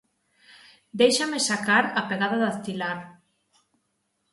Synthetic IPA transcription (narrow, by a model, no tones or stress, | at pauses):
d̪ejʃamesakaɾapeɣaðaðaθt̪ilaɾ